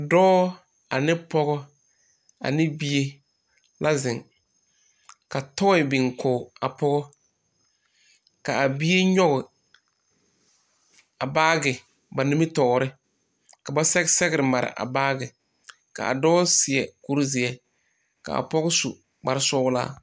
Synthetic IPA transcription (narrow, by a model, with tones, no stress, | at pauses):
dɔː˦ | a˨nɪ˦pɔ˦ɣɔ˦ | a̰˨nɪ˦bi˦e˦ | lʔa˦zɪ˨ŋ | ka˨tɔ˦ɪ˨bɪ˨ŋkʰoː˨a˨pɔ˦ɣɔ˦ | ka˨a˨bi˦e˦ɲɔ˦ɣʊ˨ | a˨baː˦ɡɪ˨ | ba˨ni˦mɪ˦tɔː˨ɾɪ˦ | ka˨ba˦sɛ˦ɡsɛ˦ɣɪ˦ɾɪ˨ma˨ɾɪ̰˨ʔa̰˨baː˦ɡɪ˨ | ka̰˨a̰˨dɔː˦sɪ˨ɛ˨ku˦ɾzɪ˨ɛ˨ | ka̰˨a̰˨pɔ˦ɣʊ˦su˨ | ɡ͡ba˨ɾɪ˦sɔː˦la̰ː˦